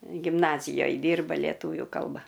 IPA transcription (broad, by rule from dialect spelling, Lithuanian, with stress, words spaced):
ɡʲɪmˈnɑːzʲɪjoːj ˈdʲiːrbɐ ˈlʲiɛtʊʋʲuː ˈkɐlˠbɐ